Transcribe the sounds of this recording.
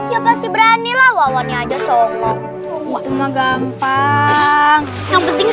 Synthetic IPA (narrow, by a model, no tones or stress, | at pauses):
iapasibəɾanilahwawaniad͡ʒasɔŋɔ | wat̪umaɡampa | ŋ | aŋpənt̪ɪŋ